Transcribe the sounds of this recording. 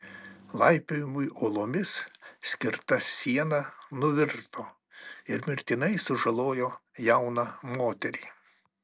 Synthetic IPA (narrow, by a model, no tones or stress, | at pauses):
lˠɐɪpʲejɪmʊjolˠoːmʲɪssʲkʲɪɾt̪ɐsʲiɛnɐnʊʋʲɪɾt̪oː | ɪɾmʲɪɾʲt̪ʲɪnɐɪsʊʒɐlˠoːjoːjɛʊnɐmoːt̪ʲɛɾʲiː